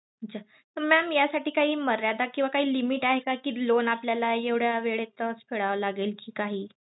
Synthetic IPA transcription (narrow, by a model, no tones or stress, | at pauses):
ətt͡ɕʰa | t̪əɾmæmjasaʈiːkaɦiːməɾjad̪akĩw̃ʋakaɦiːlimiʈaɦekakiːlonapljalajeʋɽ̤jaʋeɭet̪əsfʰeɭaʋəlaɡelkiːkaɦiː